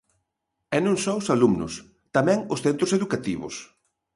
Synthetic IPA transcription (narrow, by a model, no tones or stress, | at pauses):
ɛnũŋsɔʊsalumnʊ̰s | t̪amɛ̃ŋʊsθent̪ɾʊseðukat̪iβʊ̰s